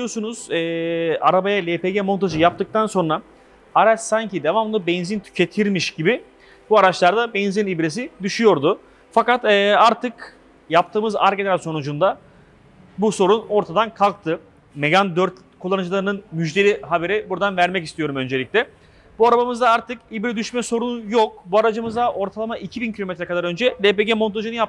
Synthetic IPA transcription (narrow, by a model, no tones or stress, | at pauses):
ijosunuz̥ɛːaɾabajalʲepʰeɟemo̞nt̪ʰaʒɯjap̚t̪ɯk̚t̪ʰanso̞nɾa | aɾat͡ʃsaɲcid̪e̞vamlˠɯbɛnzint̪ʰy̥cʰe̞t̪ʰiɾmiʃɟibɪ | buaɾat͡ʃlˠaɾd̪abɛnzinibɾes̬id̪yʃyjo̞ɾd̪ʊ | fakat̪ɛːaɾt̪ʰɯk | jap̚t̪ʰɯːmɯza̰ɾɡenɾaso̞nud͡ʒund̪a | buso̞ɾuno̞ɾt̪ʰad̪ankʰalˠk̚t̪ʰɯ | meɟand̪øɾt̪ | kʰulˠːanɯd͡ʒɯlˠaɾɯnɯnmyd͡ʒd̪e̞lʲiɦabe̞ɾibuɾd̪anvæɾmɛcist̪ʰijo̞ɾumø̞nd͡ʒelʲiclʲɛ | b̥uaɾabamɯzd̪aaɾt̪ʰɯkibɾɛd̪yʃmɛso̞ɾunjok̚buaɾad͡ʒɯmɯzd̪aʔo̞ɾt̪ʰalˠamaʔicʰibincʰilʲo̞met̪ɾɛkad̪aɾø̞nd͡ʒɛlʲepe̞ɟɛmo̞nt̪ʰaʒɯnɯjap̚t̪